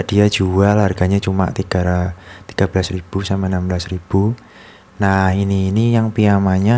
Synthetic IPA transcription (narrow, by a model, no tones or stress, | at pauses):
aʔd̥iḁd͡ʒ̥uwalarɡ̥aɲat͡ʃuma̰ʔt̪iɡ̥a̤ɾat̪iɡ̥a̤b̥lasrib̥usamanamblasrib̥u | nahiniːnijaŋpiamaɲa